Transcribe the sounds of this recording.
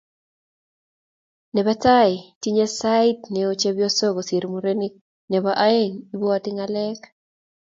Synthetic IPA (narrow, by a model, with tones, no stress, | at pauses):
nɛ˨ba˦taɪ˨ti˦ɲe˦saɪtnɛo˦t͡ʃe˦bjo˦so˦ɡosi˨ɾmuɾeni˦k̚ | nɛ˨baʔa˦e˦ŋi˦bɔ˦atɪŋalɛk